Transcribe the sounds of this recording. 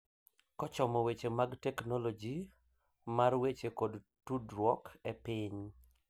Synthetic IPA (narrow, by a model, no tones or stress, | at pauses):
kɔt͡ʃɔmɔwet͡ʃemaɡtɛknɔlod͡ʒi | marwet͡ʃekod | tudɾwɔkʰepɪɲ